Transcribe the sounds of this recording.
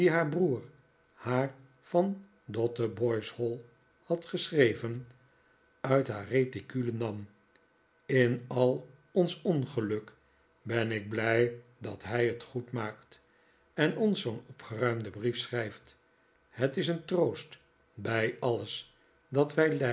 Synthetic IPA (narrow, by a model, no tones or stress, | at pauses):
diɦaːɹbruːɹ | haːɹ | fɑn | dɔtəbɔjshɔlˠ | hɑtχəsrejvən | œɥtɦa̰ːretikylənɑm | ɪnɑlˠ | ɔnsɔnχəlɵk | bɛnɪɡ̚blɛjdɑtɦɛjətχutmaːkt | ɛnɔnsownɔpχərœɥmdəbrifsχrɛjft | hətɪsəntrowst | bɛjɑləs | dɑtʋɛjlɛ